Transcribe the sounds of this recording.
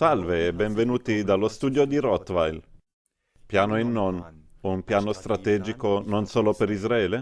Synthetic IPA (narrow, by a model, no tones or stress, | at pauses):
salveɛbɛɱvenuːt̪id̪alːost̪uːd̪jod̪iɾɔt̪ːvajl | pjaːnoinːonumpjaːnost̪ɾat̪ɛːd͡ʒikononsoːlopeɾizɾaɛːle